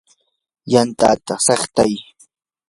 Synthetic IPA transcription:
jant̪a̰ːt̪asɑχt̪aj

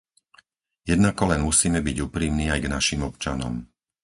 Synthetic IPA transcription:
jɛd̪nakɔlɛnmusiːmɛbiɟuːpɾiːmniːajɡnaʃimɔp̚t͡ʃanɔ̰m

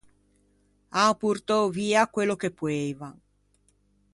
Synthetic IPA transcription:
apurt̪oviːakwelːok̟epːweva

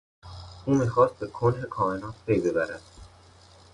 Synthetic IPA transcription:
ʔuːmiːxɒːst̪̚bekʰonɦekʰɒːenɒːt̪̚pʰejbe̞bæɾæd̪̥

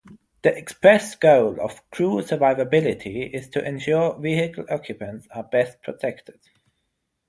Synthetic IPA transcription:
ðiʔɛkspɹɛsɡ̥oʊlə̰v̥kʰɹ̥uːsəvaɪvəbɪlɪtʰiɪz̥tʰəʔɛ̃nʃɔɹvihɪkʰəl̩ɔkʰjɨpə̃ntsəbɛspʰɹ̥ətʰɛktʰɪd̥

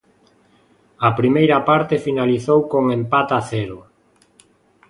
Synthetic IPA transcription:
ɐpɾimejɾɐpaɾt̪efinaliθowkoŋempat̪aθɛɾʊ

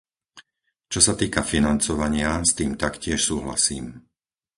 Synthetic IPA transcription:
t͡ʃɔsat̪iːkafinant͡sɔʋaɲɪast̪iːmt̪akcɪɛʃsuːɦla̰siːm

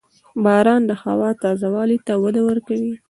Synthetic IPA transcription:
bɑɾɑnd̪əxawɑt̪ɑzawɑlit̪awad̪awəɾkawi

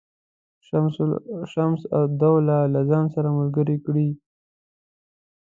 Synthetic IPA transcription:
ʃamsa̰d̪awlalazɑnsaɾamʊlɡəɾikɽi

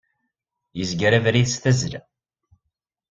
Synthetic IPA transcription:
jəzɡɾævɾiðsθæzlæ

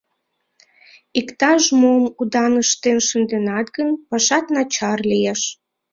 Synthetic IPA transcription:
ikt̪ɑʃmomud̪ɑnəʃt̪enʃənd̪enɑt̪ɡənpɑʃɑt̪nɑt͡ɕɑrlijeʃ

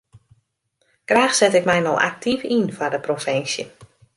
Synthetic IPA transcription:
ɡ̥raːxsɛtɪkmɛjnɔwʔa̰k̚tʰifinfadəprofɪnsjə̰

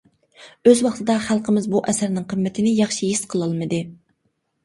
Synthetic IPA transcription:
øzwɑχt̪ʰɨd̪ɑχælˠqʰəmɪzbuʔɛsæɾnɪŋqʰəmːɪt̪ʰɪnɪjɑχʃijisqʰəlˠɑlˠmɨd̪ɨ

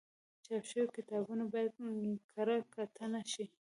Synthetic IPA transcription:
t͡ʃɑpʃəjokɪt̪ɑbunabɑjad̪̚kʰaɾakat̪ʰənaʃi

